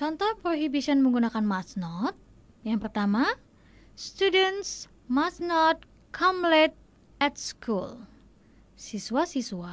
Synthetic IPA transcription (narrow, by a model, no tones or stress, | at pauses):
t͡ʃɔnt̪ɔhpɾoɦibisiənməŋɡunakanmasnɔt̪̚ | jaŋpərt̪ama | st̪udɛnt̪s | masnɔt̪̚ | kʰɔmlɛt̪̚ | ɛt̪̚skʰul | sisuasisua